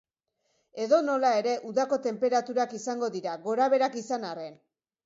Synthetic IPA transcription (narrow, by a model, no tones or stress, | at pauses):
e̞ðo̞no̞lae̞ɾe̞ʔuðako̞t̪e̞mpe̞ɾat̪uɾakisaŋɡo̞ðiɾaɣo̞ɾaβ̞e̞ɾakisanare̞n